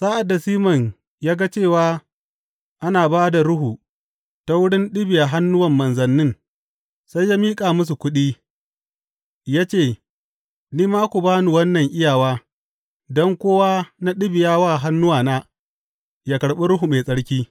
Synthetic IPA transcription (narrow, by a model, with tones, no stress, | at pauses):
saː˦ʔa˨dːa˨siː˦mɐ˨ɲ | jaː˦ɡa˦t͡ʃeː˦˨waː˦ | ʔa˦naː˨baː˦da˨ɽʊ˦ɦu˨ | ta˦wʊ˦ɽɪ˦nɗɪ˦bɪ˨ja˨ɦa˦nːʊ˦wɐ˨mːɐ˨nzɐ˨nːɪ˦ŋ | sa˦jːaː˦miː˦kʼaː˨mʊ˦s̬u˨kʷʊ˦ɗiː˦ | jaː˦t͡ʃeː˦˨ | niː˦maː˦kʷu˨baː˦nu˨wɐ˦nːɐ˨ŋʔɪ˦jaː˨waː˦ | dɔ˦ŋkʷoː˦waː˦na˦ɗɪ˦bɪ˨jaː˦waː˦˨ɦa˦nːʊ˦waː˨naː˦ | jaː˦kɐ˨ɽɓe˦ɾʊ˦ɦu˨meː˨sʼɐ˦ɽkʲiː˦